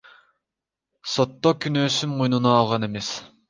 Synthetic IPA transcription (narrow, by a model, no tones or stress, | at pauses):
sot̪ːokʲʰynøːsymujnunɑːlˠʁɑnemes